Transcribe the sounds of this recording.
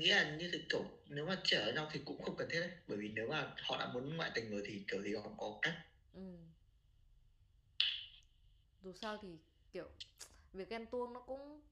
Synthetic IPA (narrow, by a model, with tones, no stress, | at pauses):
ŋḭ˧˥laː˨˩ɲɨ˧t̪ʰi˨˩ki˧˩w | ne˨˦wmaː˨˩t͡ɕəː˧˩ʔəː˧˩ɲa˧wt̪ʰi˨˩kʊ̰˧˥ŋ͡mxə˧wŋ͡mkə˨˩nt̪ʰe˦˥t̚ʔə˨˩ɓəː˧˩jvi˨˩ne˨˦wmaː˨˩hɔ̰˧˨ɗa̰ː˧˥mu˨˦nŋɔ̰a̰˧˨jt̪ï˨˩ŋ̟zɨː˨˩jt̪ʰi˨˩ki˧˩əwt̪ʰi˧˩˨hɔ̰˧˩wŋ͡mkɔ˨˦˧kaː˦˥k̚ | ʔɨ˨˩m | zu˨˩saː˧wt̪ʰi˨˩ | ki˧˩əwvi˨˩ək̚ʔɛ˧mt̪u˧ənnɔ˨˦kʊ̰˧˥ŋ͡m